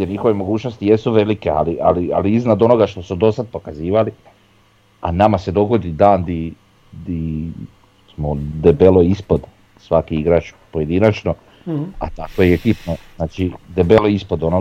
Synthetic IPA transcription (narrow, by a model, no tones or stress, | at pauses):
jeɾɲixo̞ʋemo̞ɡuːt͡ʃnost̪ije̞suʋe̞likea̰liʔa̰lia̰liiznad̪o̞no̞ɡaʃt̪o̞sud̪o̞sad̪̚po̞kaziːʋali | a̰namase̞d̪o̞ɡo̞d̪id̪aːnd̪i | d̪i | simod̪ebeloispod̪ | sʋakiiɡɾaːt͡ʃpoje̞d̪inat͡ʃno | a̰t̪akojeekipnoznaːt͡ʃid̪ebe̞loispod̪ono